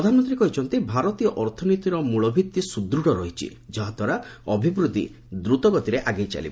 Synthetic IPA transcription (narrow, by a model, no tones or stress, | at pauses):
ɾɔd̪ʱanɔnt̪ɾiekɔɦit͡ʃʰɔnt̪ibʱaɾɔt̪ijɔʔɔɾt̪ʰɔnit̪iɾɔmuɭɔbʱit̪ːisud̪ɾuɽɔɾɔɦit͡ʃʰḭd͡ʒɔɦad̪ʱɔɾaɔbʱibɾut̪ḭ | d̪ɾut̪ɔɡɔt̪iɾeʔaɡejt͡ʃa̰lḭb